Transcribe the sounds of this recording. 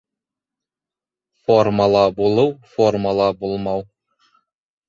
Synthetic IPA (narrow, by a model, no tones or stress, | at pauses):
formɑlˠɑbulˠɤwformɑlˠɑbulˠmɑw